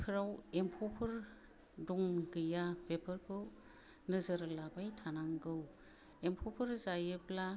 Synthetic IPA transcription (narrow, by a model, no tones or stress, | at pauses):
pʰɯɾawempʰɔpʰɯɾ | dɔŋɡɯjapepʰɯɾkʰɯ | nɯzəɾlabajtʰanaŋɡɯw | empʰɔpʰɯɾzajɯbla